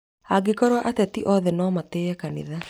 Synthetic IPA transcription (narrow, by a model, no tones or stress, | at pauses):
aɡekɔɾwaʔatɛtiʔɔðɛnɔːmateɛkanḭða